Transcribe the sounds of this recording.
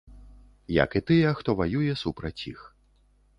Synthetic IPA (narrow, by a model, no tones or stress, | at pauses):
jɐ̰kit̪ɨjɛxt̪ɔvajujɛsupɾɐt͡sʲix